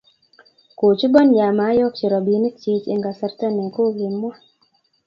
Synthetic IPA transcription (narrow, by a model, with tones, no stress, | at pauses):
ko˨t͡ʃi˦bɔ˦nja˨ma˨˦jɔ˦k̚t͡ʃɪ˨ɾɔ˨bi˨˦ni˦k̚t͡ʃi˦t͡ʃḛ˦ŋɡa˨sɛ˨˦ɾt̪ɛ˦nɛ˨ko˦ɡi˨mːwa˦